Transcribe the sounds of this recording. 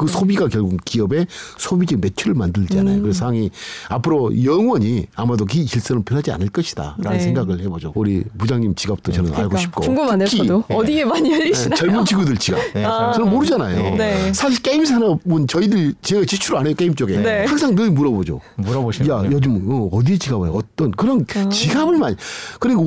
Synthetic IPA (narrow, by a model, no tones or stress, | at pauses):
kɯsʰobiɡakjʌɭɡuŋkiʌbe̞sʰobid͡ʑime̞t͡ɕʰuɾɯɭmandɯɭd͡ʑianajokɯɾessʰaaŋiapʰɯɾojʌŋwʌɲiamadok̬iɕiɭs͈ɯnɯnpʰjonɦad͡ʑia̰nɯɭk͈ʌɕʰi̥d̥a̰ɾanɯnsʰe̞ŋɡaɡɯɭhe̞bod͡ʑouɾipud͡ʑaŋɲimt͡ɕiɡap̚t͈ot͡ɕʌnɯna̰ɭɡoɕʰi̥p̚k͈ouŋɡumkʰiʌdiemaɲiʌit͡ɕʌɭmund͡ʑiɡudɯɭt͡ɕiɡa̰p̚t͡ɕʌnɯnmoɾɯd͡ʑanajoesʰaɕʰiɭk͈eims̬ʰanʌmont͡ɕʌidɯɭt͡ɕieɡat͡ɕit͡ɕʰuɾɯanejk͈eimt͡ɕ͈oɡe̞nehaŋsʰaŋnɯmuɾʌbod͡ʑo̰muɾjajod͡ʑɯmʌʌdiet͡ɕiɡabɯa̰ʌt͈ʌnkɯɾʌnt͡ɕiɡabɯɭmankɯɾiɡo